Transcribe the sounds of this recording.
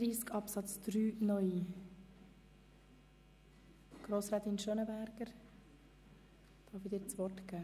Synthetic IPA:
ɾiːskʰɑpsɑt͡sd̪̥ɾyːnœʏi | ɡ̥ɾoːsɾɛt̪inʃœnəbæɾɡ̥əɾ | d̥ɑːfid̪ɪːɾt͡sʋɔtɡ̥æː

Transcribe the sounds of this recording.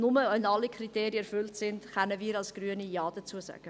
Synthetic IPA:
nʊməœnɑlːikʰriteːɾjəɛɾfʏltsɪndχɛnəviːɾɑlsɡ̥ɾyːənijɑːd̥ət͡suəsa̰ɡ̥ə

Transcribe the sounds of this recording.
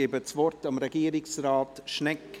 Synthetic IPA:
eːbət͡svɔɾtɑmɾɛɡ̥iːɾɪksrɑːtʃnɛk

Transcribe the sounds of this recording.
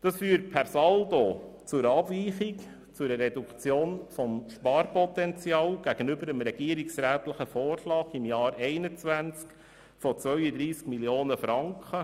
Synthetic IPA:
d̥ɑsfyːɾt̚pʰæɾsɑld̪ot͡sʊɾɑbviːχɪk | t͡sʊɾəɾɛd̪ukt͡sjoːnfɔmʃpɑːɾpɔt̪ɛnt͡sjɑːlɡ̥æɡ̥ənʏbəɾəmɾɛɡ̥iəɾiksɾæːt̪ləχəfɔːrʃlɑːɡimjɑːɾɛɪnət͡sʋænt͡sk | fɔt͡sʋœʏəd̪ɾiːskmiljoːnəfɾɑŋkχə

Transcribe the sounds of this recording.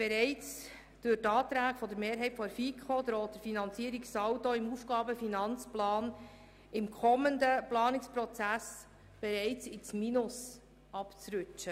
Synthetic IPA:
b̥eɾɛɪt͡s | d̪̥ʊtɑːt̪ɾæːkfɔd̪əɾmeːɾɦɛɪtfɔɾfikʰχod̪̥ɾoːt̚dəɾfinɑnt͡siːəɾiksɑwtoɪmufɡ̥ɑːbəfinɑnt͡splɑːn | ɪmkʰɔmənd̪əplɑːnɪkspɾɔt͡sæs | b̥ɛɾɛɪt͡sɪt͡sminʊs | ɑpt͡sɾʉt͡ʃə

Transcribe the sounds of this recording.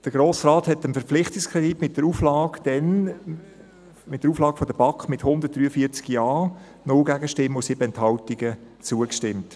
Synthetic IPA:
d̥əɡɾoːsrɑːthɛtənfəpp͡flɪχtɪkskʰʁɛditmɪt̚d̥əɾuːflɑːɡ̥d̥ɛn | mɪt̚d̥əɾuːflɑːɡəfɔdəb̥ɑkχmɪthʊnd̪əɾt̚d̥ɾyːəfiːt͡sɡjɑː | nʊlɡæɡəʃtɪmʊsɪbəɛnthɑltiɡ̥ə | t͡suəkʃtɪmt

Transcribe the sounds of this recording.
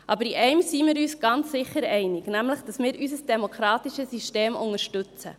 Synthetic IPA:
ʔɑbəɾiʔɛɪmsimɪːɾyːsɡ̥ɑnt͡ssɪχːəɾɛɪnɪɡnæmləχd̥ɑsmɪːɾʔysəsd̥emokʰɾɑːtiʃəsisteːmʔʊŋəɾʃtʉt͡sə̰

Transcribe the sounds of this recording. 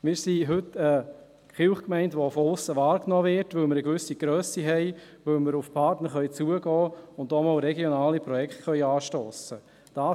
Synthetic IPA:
mɪːɾsiɦʏtə | χɪlχkmɛɪntʋofɔʊsəʋɑːɾknɔːvɪɾtʋɵlmɪɾəɡ̥ʋʏsiɡ̥ɾœːsiɦɛɪ | ʋɵlməɾʊfpʰɑtnəɾχœʏt͡suːəɡɔːʊndɔːmɔlɾɛɡjonaːlipɾɔjɛktχœʏɑːʃtoːsə | d̥aː

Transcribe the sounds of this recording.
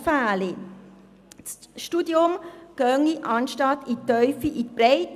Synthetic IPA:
faːli | t͡sʃtudiʊmɡ̥œŋiʔɑnʃtɑtit̪œʏfiʔitpɾɛɪt

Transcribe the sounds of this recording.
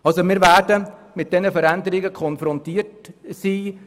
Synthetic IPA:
ɑlsomɪːɾʋæːɾdəmɪt̚d̥ɛnəfəɾændəɾɪɡəkʰɔnfɾɔntiːərtsiː

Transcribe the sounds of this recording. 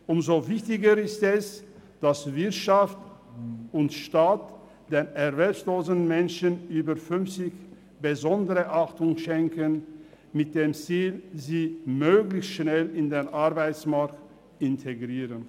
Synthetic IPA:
ʔʊmzovɪçtɪɡəɪstɛsd̥asvɪɐtʃaft | ʊntʃtaːt | d̥eːnɛʁvɛlpsloːzən̩mɛnʃənʔyːbəfʏnft͡sɪç | b̥əzɔndəʁəʔaχtʊŋʃɛŋkən | mɪt̚d̥eːmt͡siːlziːmøːɡlɪçstʃnɛlɪndeːnʔaɐbaɪt͡smaɐkt | ɪntʰeɡʁiːʁən

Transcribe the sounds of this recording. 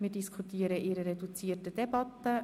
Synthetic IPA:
mɪːdiskʰutiəɾəʔiɾəɾɛdut͡siːətəd̥ɛbɑt̪ːə

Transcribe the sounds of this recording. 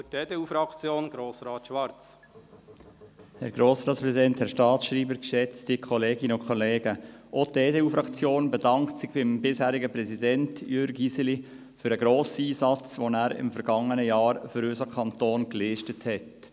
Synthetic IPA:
fteːd̥euːfɾɑkt͡sjoːnɡ̥ɾoːsɾɑːt̪ʃʋɑɾt͡s | hɛɾɡɾoːsɾɑːtt͡spɾɛzidɛnthɛɾʃtɑːtsʃriːbəɾkʃɛt͡stikʰɔleːɡɪnəʊkʰχɔleːɡəʔotdeːdeːuːfɾɑkt͡sjoːnbedɑŋktsɪɡb̥ɪmbɪshæːɾɪɡəpɾɛsidɛntjʏɾɡisəli | fʏɾəɡɾoːsiːsɑt͡sʋonæːɾɪ̰mfɛɾɡɑŋːənəjɑːɾføɾøsəkʰɑntoːnkliʃtəthɛt

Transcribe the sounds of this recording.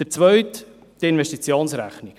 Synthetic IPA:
d̥ət͡svœɥtː | ɪnvɛʃtit͡sjoːnsɾæ̰χni

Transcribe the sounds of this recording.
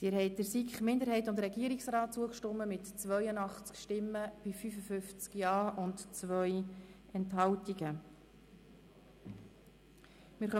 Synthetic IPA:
siːɾhɛɪd̥əɾsikχmɪndəɾɦɛɪtʊndrɛɡiəɾiksrɑːt̚t͡suəkʃtʊmːəmɪtt͡svœjənɑχt͡skʃtɪmːəb̥ɪfyfəfʏft͡skjɑːʊntt͡sʋœʏ | ɛntɦɑltiɡə | mɪɾχœ

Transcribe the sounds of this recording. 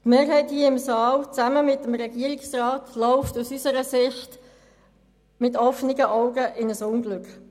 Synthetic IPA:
tmeːɾhɛɪthiəɪmsɑːlt͡sæməmɪtəmɾɛɡ̥iːəɾɪksrɑːtʰlɔʊftusysəɾəsɪçt | mɪtɔfnɪɡəʔaʊɡəʔɪnəsʊŋɡlʉkχ

